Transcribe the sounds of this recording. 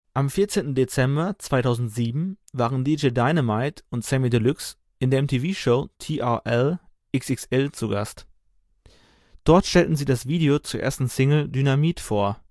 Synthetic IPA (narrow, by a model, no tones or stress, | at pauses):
ʔamfɪɐt͡seːntn̩det͡sɛmbɐt͡sv̥aɪtʰaʊzn̩tz̥iːbm̩vaːʁəndiːd͡ʒeːdaɪnəmaɪtʊntsɛmidəlʊks | ʔɪndeːɐɛmtʰiːviːʃoʊtʰiːʔaʔɛl | ʔɪksɪksɛlt͡suɡa̰st | d̥ɔɐtʃtɛltn̩ziːdasv̥iːdeot͡suːɐḛːɐstn̩sɪŋl̩dynamiːtfoːɐ